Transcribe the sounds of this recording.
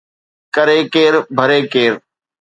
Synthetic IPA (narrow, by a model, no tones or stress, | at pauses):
kəɾeːkeːɾbʱəɾeːkeːɾ